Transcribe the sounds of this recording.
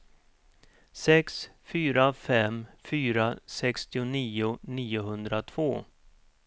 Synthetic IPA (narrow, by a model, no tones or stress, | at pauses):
sɛksfyːɾafɛmfyːɾasɛkst̪ɪʊniːʊniːʊɦɵnd̪ɾat̪ʰv̥oː